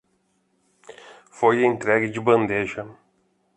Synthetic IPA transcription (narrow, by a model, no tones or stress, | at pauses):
fojɐẽnt̪ɾɛɡɪd͡ʒɪbɐ̃nd̪eʒɐ